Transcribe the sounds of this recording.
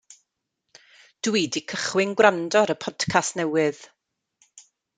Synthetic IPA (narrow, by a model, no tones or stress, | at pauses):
d̥wiːdikʰəχwɪŋɡwrandɔɾəpʰɔd̥kʰastnɛwɨð̥